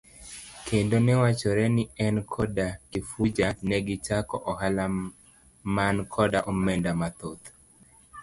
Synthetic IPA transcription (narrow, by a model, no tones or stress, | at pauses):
kʰendonɛwat͡ʃɔɾɛnɪɛnkʰɔdakɪfud͡ʒanɛɡɪt͡ʃakɔʔɔhala | mankʰɔdaʔomɛndamat̪ot̪